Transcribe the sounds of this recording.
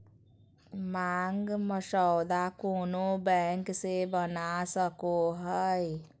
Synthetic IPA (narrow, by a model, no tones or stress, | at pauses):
maŋɡməʃəwd̪akonobɛŋksebənasəkoɦəj